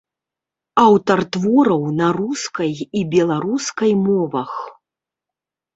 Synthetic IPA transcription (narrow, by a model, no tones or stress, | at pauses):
awt̪ɐrt̪vɔɾɐwnɐɾuskɐjibʲɛlˠaɾuskɐjmɔvɐx